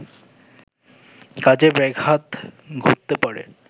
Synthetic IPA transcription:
kad͡ʑebɛɡʱat̪ɡʱutt̪ːepaɾḛ

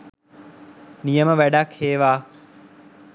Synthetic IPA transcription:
nijəməʋeːɗaːkʰeːʋaː

